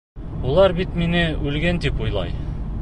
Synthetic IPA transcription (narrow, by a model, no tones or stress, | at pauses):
ulˠɑɾbit̪minɘʉlɡænt̪ipujlˠɑ̰j